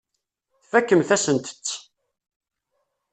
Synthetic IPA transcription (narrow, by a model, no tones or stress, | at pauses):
θfækːəmθæsənt̪ə̥t͡sː